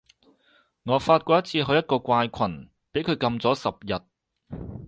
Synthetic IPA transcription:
ŋɔː˨˧˥faː˧t̚kʷɔː˧jɐ˥t̚t͡sʰiː˧ɦɵ˧jɐ˥t̚kɔː˧kʷaː˧jkʷʰɐ˨˩n | pe˨˥jkʰɵ˨˧ɥkɐ˧mt͡sɔː˨˥sɐ˨p̚jɐ˨t̚

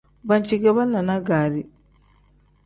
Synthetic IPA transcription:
ba˦ɲt͡ʃi˦ɡɛ˦βa˦nːa˨na˦ɡaː˨ɾi˦

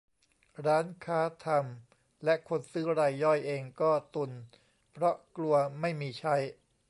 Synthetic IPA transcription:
ɾaː˦˥nkʰaː˦˥t̪ʰa˧m | lɛ˦˥kʰo˧nsɯː˦˥ɾa˧jːɔ˥˩jʔeː˧ŋkɔː˥˩t̪u˧˩n | pʰɾɔ˦˥ʔklu˧ɐma˥˩jmiː˧t͡ɕʰa˦˥˩j

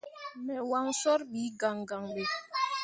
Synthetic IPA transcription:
mɛ˨wa˦ŋsɔ˦ɾɓi˨˦ɡa˨ŋɡa˨ŋɓe˨

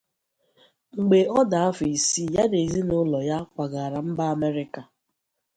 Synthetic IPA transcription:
ŋ͡m̩˨ɡ͡be˨ɔ˦da˨a˦fi˨si˦ja˦ne˨zi˦nʊ˦lɔ˨ja˦kʷa˨ɡa˨ɾa˨m̩˦ba˦a˨me˦ɾɪ˦ka˨

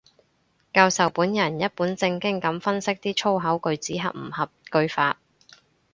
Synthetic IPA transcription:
kaː˧wsɐ˨wpuː˨˥njɐ˨˩njɐ˥t̚puː˨˥nt͡sɪ˧ŋkɪ˥ŋkɐ˨˥mfɐ˥nsɪ˥k̚t̪iː˥t͡ʃʰo˥wɦɐ˨˥wkɵ˧ɥt͡siː˨˥ɦɐ̰˨p̚m̩˨˩hɐ˨p̚kɵ˧ɥfaː˧t̚

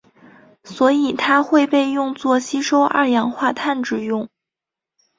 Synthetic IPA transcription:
swɔ˧˥i˨˩t̪ʰa˥xwe˥˧ɪpe˥˧ɪjʊ˥˧ŋt͡swɔ˥˩ɕi˥ʂo˥ʊʔa̰˥˩jɑ˧˥ŋxwa˥˧t̪ʰa˥˧nʈ͡ʂɻ̩˥˧jʊ˥˩ŋ

